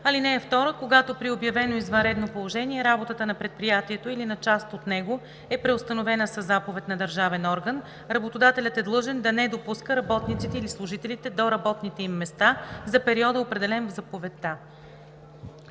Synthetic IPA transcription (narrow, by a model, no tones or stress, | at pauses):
ɐlinɛːft̪ɔɾəkoɡat̪opɾiobjɐvɛnoizvɐnɾɛd̪nopolˠoʒɛniɛɾabot̪ət̪ənɐpɾɛt̪̚pɾijat̪iɛt̪oilinɐt͡ʃast̪ot̪nɛɡo | ɛpɾɛost̪ɐnovɛnəsəzapovɛt̪nɐd̪əɾʒavɛnɔɾɡən | ɾɐbot̪od̪at̪ɛlʲət̪ɛd̪lˠɤʒɛnd̪ɐnɛd̪opuskəɾɐbɔt̪nit̪sit̪ɛilislˠʊʒit̪ɛlit̪ɛd̪oɾɐbɔt̪nit̪ɛimːɛst̪azɐpɛɾiɔd̪əopɾɛd̪ɛlɛnvzɐpovɛt̪ːa